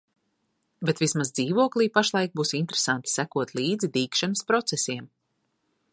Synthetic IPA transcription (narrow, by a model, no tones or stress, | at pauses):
bet̪vismazd̪ziːvuɔklˠiːpaʃlˠɑjk̚buːsint̪ɾe̥sant̪i̥sækuɔt̪lˠiːd̪zid̪iːkʃɛnəspɾɔt̪sesiɛm